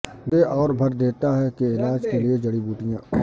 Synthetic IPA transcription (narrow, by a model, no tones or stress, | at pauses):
eʔɔːɾbʱɐɾd̪eːt̪aɦɛkeɪlaːd͡ʒkelied͡ʒɐɽibuːʈijã